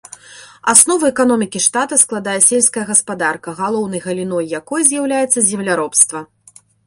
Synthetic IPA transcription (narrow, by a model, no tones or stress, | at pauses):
asnɔvɐɛkanɔmʲikʲiʂt̪at̪ɐsklˠad̪ajɛsʲelʲskɐjɐɣɐspad̪arkɐɣalˠɔwn̪ɐjɣɐlʲinɔjːakɔjzʲjawlʲajɛt̪sːɐzʲɛmlʲaɾɔpst̪vɐ